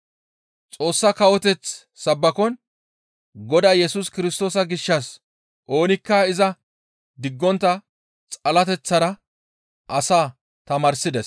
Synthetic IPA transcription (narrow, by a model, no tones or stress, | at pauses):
t͡sʼo̞ːsːɐkɐwɔt̪ɛt͡s | sɐbːɐkɔn | ɡɔd̪aːjɛsuskɪɾɪst̪o̞ːsɐɡɪʃːɐs | ʔo̞ːnɪkːɐɪzɐ | d̪ɪɡːɔnt̪ːɐ | t͡sʼɐlɐt̪ɛt͡sːɐɾɐ | ʔɐsaː | t̪ɐmɐɾsɪd̪ɛs